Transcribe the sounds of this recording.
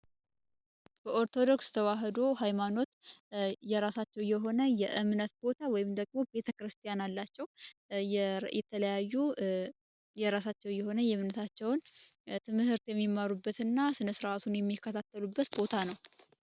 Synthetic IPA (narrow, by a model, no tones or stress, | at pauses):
b̥əʔo̞ɾt̪ʰo̞d̪o̞kst̪ʰəwaɦəd̪o̞ɦajmano̞t̪ | jɛɾasat͡ʃːɛwjɛɦo̞nəjɛʔɨmnət̪bo̞t̪ʰawɔjɪmd̪əɡmo̞be̞t̪ʰəkɾɨst̪ʰijanalːat͡ʃːɛw | jɛt̪ʰələjajːu | jɛɾasat͡ʃːɛwjɛho̞nəjɛɨmnət̪ʰat͡ʃːɛwnt̪ʰɨmɨhɨɾt̪jɛmːimːaɾubːət̪ɨnːasɨnəsɨɾʔat̪ʰunjɛmːikːət̪ʰat̪ʰːəlubːət̪bo̞t̪ʰanəw